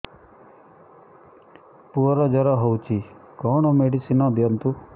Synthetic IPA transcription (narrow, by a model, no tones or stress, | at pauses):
puɔɾɔd͡ʒʌɾɔɦɔwt͡ʃʰikɔːɳ̃ɔmeɽisinɔd̪jɔnt̪u